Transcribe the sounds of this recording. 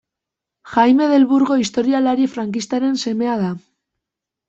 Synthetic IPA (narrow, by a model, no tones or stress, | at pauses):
xajme̞ð̞e̞lβuɾɣo̞ist̪o̞ɾialaɾiefɾaŋkist̪aɾe̞nse̞me̞að̞a